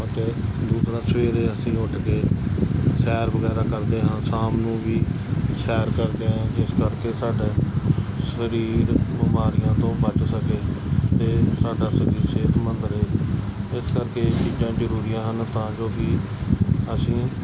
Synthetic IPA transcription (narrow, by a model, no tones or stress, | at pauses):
ət̪eːd̪uːsɾãːsəʋeːɾeːəsĩːʊʈkeː | sɛːɾbəɡɛːɾaːkəɾd̪eːɦənsaːmnũːʋiː | sɛːɾkəɾd̪eːɦɛ̃ːd͡ʒɪskəɾkeːsaːɖeːsəɾiːɾbɪmaːɾɪjãːt̪õːbət͡ʃsəkeːt̪eːsaːɖaːsəɾiːɾseːt̪ʰmənd̪əɾɦeːɪskəɾkeːt͡ʃiːd͡ʒãːd͡ʒəɾuːɾijãːɦənt̪ãːd͡ʒoːbiː | əsĩː